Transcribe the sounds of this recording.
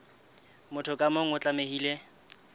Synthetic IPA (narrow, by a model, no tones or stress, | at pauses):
mʊtʰɔkʼamoŋ̩ʊt͡ɬʼameɦiːle